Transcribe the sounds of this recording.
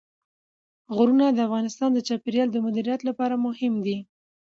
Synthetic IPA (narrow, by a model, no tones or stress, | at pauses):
ɣʊɾunad̪əafɣɑnɪst̪ɑnd̪ət͡ʃɑpeɾjɑld̪əmʊd̪iɾijat̪lapɑɾamʊhɪmd̪i